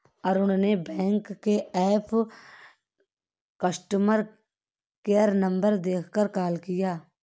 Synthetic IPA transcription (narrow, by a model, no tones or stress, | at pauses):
ɔːɾʊnnebɛ̃ːŋkːeɛːpʰ | kəsʈəməɾ | kejəɾnə̃mbəɾd̪eːkʰkəɾkaːlkɪjaː